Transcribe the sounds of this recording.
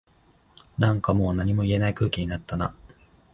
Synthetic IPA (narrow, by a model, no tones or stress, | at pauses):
nãŋkamo̞ːnaɲ̟imo̞ie̞naikɯ̟ːkʲiɲ̟inat̪ːana